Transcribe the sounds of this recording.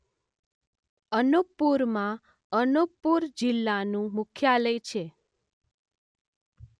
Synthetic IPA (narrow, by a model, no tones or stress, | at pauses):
ənuk̚puɾmã | ənuk̚puɾd͡ʒilːanũmʊkʰjaləjt͡ʃʰe